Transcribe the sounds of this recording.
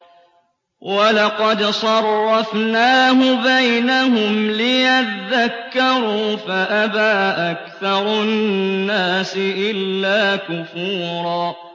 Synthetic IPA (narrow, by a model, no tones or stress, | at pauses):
walɑqɑd̪sˤɑrˤːɑfnaːɦʊbajnahʊmlɪjaðːakːɑɾˤuːfaʔabaːʔakθɑɾˤʊnːaːsɪʔɪlːaːkʊfuːɾˤɑː